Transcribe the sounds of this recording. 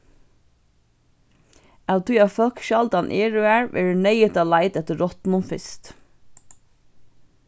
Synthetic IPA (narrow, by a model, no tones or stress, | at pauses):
awt̪ʰʊjafœlkʃalt̪anʔeːɹʏæːɹʋʔɛ̰ːɹənɛjɪt̪alaɪt̪ɛt̪əːɔt̪mʊnfɪst̪